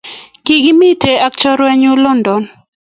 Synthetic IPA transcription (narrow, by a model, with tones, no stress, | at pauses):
ki˨ɡi˦mi˦te˨ʔa˦k̚t͡ʃɔ˦ɾwɛ˦ɲʊ˦lɔ˦ndɔ˨n